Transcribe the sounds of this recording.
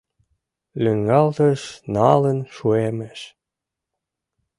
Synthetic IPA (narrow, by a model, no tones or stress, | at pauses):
lyŋɡɑlt̪əʃnɑlənʃueməʃ